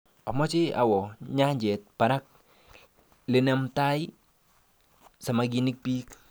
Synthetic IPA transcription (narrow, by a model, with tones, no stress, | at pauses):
ɔ˨mɔ˦t͡ʃɪ˦a̰˨wɔ˨ɲa˦ɲd͡ʒɛ˨t̚pa˨ɾa˦k̚ | lɪ˨nɛ˦mta˦j | sa˨maɡi˨ni˦k̚piː˦k